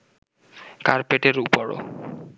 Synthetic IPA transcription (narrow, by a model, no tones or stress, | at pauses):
kaɾpeʈeɾupɔɽo̰